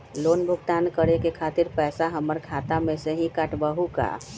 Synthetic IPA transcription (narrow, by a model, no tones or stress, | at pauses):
loːnbʱʊɡt̪aːnkəɾekekʰaːt̪ɪɾpɛːsaɦəməɾkʰaːt̪amẽseɦikəʈbəɦuka̰ː